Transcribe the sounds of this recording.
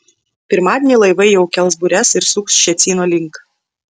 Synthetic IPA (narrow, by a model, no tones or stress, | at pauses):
pʲɪɾmɑːd̪ʲenʲiˑlˠɐɪʋɐɪjɛʊkʲɛlˠsbʊɾʲɛsɪɾsʊksʃʲɛt̪sʲiːnoːlʲɪŋk